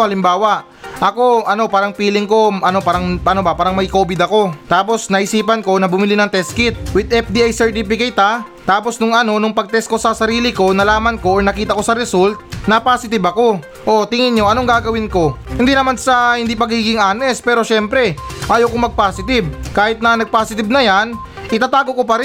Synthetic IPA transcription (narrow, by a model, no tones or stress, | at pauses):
hɐlɪmbaːwɐʔ | ʔɐko̞ʔɐno̞paːɾɐŋpiːlɪŋko̞ʔɐno̞paːɾɐŋpɐnobɐpaːɾɐŋmɐjko̞ːbɪd̪ɐko̞t̪aːpo̞snɐʔɪsiːpɐnko̞nɐbʊmɪlinɐŋt̪ɛskɪt̪̚wɪd̪̚ɛfd̪iʔajsɛɹt̪ip̬ɪkɐjt̪a | t̪aːpo̞snʊŋɐno̞nʊŋpɐɡ̚t̪ɛsko̞sɐsɐɾiːlɪko̞nɐlaːmɐnko̞ʔoɹnɐkiːt̪ɐko̞sɐɾɛsult̪̚nɐpaːsɪt̪ɪbɐko̞ | ʔo̞t̪ɪŋɪɲɲo̞ʔɐno̞ŋɡaːɡɐwɪnko̞hɪnd̪inɐmansɐhɪnd̪ipɐɡiːɡɪŋʔaːnɛspɛːɾo̞ʃɛmpɾɛʔaːjowkoŋmɐɡ̚paːsɪt̪ɪb̚kaːhɪt̪̚nɐnɐɡ̚paːsɪt̪ɪbnɐjan | ʔɪt̪aːt̪aːɡo̞ko̞pɐɾɛ